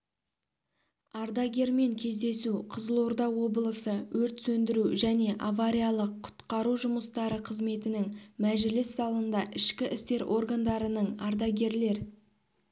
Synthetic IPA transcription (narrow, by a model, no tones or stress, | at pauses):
ɑɾd̪ɑɡʲe̞ɾme̞ŋkʲʰe̞zd̪e̞suqʰəzəlˠo̞ɾd̪ɑwo̞bəlˠəsəwɵɾt̪sɵnd̪ɪɾuʒæne̞ʔavaɾʲijalˠəqʰːʊ̥t̪qɑɾuʒʊməst̪ɑɾəqʰəzme̞t̪ɪnɪŋmæʒɪlɪsːɑlˠənd̪ɑʔɪʃkʲɪʔɪst̪e̞ɾʔo̞̰ɾɡand̪ɑɾənəɴɑɾd̪ɑɡʲe̞ɾle̞ɾ